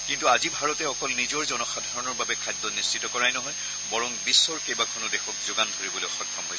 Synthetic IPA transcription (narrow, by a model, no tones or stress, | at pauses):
kintuazibʱaɹɔtɛɔkɔlnizɔɹzɔnɔxadʱaɹɔnɔɹbabɛkʰajd̪ːɔnistʰitɔkɔɹajnɔɦɔj | bɔɹɔŋbisːɔɹkejbakʰɔnɔdexɔk̚zʊɡandʱoɹibɔloɔxɔkʰːɔmɦoj